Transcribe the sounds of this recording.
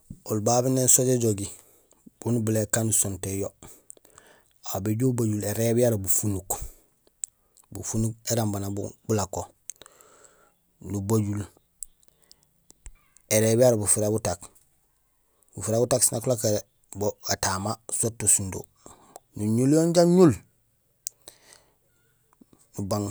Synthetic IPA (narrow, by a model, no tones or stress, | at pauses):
olbabinensoɟeɟoɡi | b̥unubulekːanusontejo | abeɟobaɟuleɾebijaɾbufunuk | bṵfunukeɾambanab̰b̥ulako | nubaɟul | eɾebijaɾbufuɾabutak | bufiɾabutaksinakulakeɾe | boɡatamasotːosundo̰ | nuɲuljoɲɟaɲul | nubaŋ